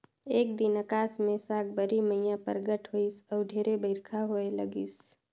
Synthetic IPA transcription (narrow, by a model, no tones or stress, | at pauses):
eːk̚d̪ɪnəkaːsmẽsaːɡ̚bəɾiməɪjãpə̰ɾɡəʈɦoːisɔːɖʱeːɾebəɪɾkʰaɦoeləɡis